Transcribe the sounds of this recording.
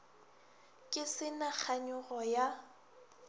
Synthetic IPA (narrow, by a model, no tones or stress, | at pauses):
kʼɪsɪnak͡xʰaɲʊɣɔja